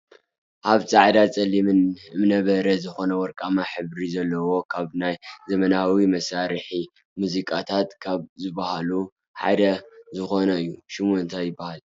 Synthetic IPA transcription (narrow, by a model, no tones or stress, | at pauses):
ʔaβsʼaʕd̪at͡sʼɐlːimɨnɨmnɐβɐɾɐzɨxo̞nɐwɔɾkʼamaħɨβɾizɐlːɐwo̞kʰaβnajzɐmɐnawimɐsaɾħi | muzikʼat̪ʰat̪kʰaβzɨbahalu | ħa̰d̪ɐzɨxo̞nɐɨjːuʃɪmont̪ʰajɪbːahal